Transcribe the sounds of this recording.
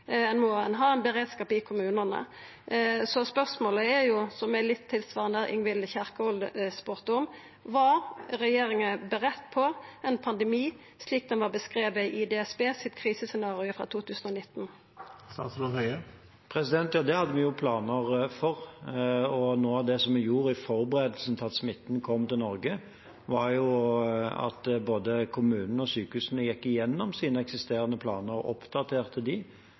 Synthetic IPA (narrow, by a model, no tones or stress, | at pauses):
ɛnmɔːɛnɦɑːɛnbəɾeːd̪skɑːpɪkʰʊmʉːnənə̰ | sɔspœʁsmoːləɛɾjʊsɔmɛlɪt̪ʰːɪlsʋɑːʁənəʔɪ̰ŋʋɪlçæʁkəɔld̪spʉːʁt̪əɔm | ʋɑɾɾɛjeːɾɪŋəbəʁɛt̪ːpʰɔɛnpʰɑnd̪ɛmiː | sliːk̚d̪ɛnʋɑʁbəskʁeːʋəʔɪd̪eːɛsbeːsɪt̪kʰʁiːsəsɛnɑːʁɪʊfɾʁɑ̰ːt̪ʰuːt̪ʰʉːsn̩ɔnɪt̪ːn | sɑ̰slohœʏə | pʰʁɛsɪd̪ɛnt̪jɑːd̪ɛhɑd̪ːəʋɪjʊpʰlɑːnəʁfɔʁ | ɔnoːɑʋd̪ɛsɔmɪjuːɾɪfɔɾbəʁeːd̪lsn̩t̪ʰɑt̪smɪt̪ːnkʰɔmːt̪ɪlnɔɾɡə | ʋɑɾjʊ | ɑ̰t̪boːd̪əkʰʊmʉːnn̩ɔsyːkəʉsnəjɛkːɪjɛnːɔmsiːnəɛksɪst̪eːɾənəpʰlɑːnəʁɔ̰pd̪̥ɑt̪ʰeːʁt̪ʰəd̪ɪ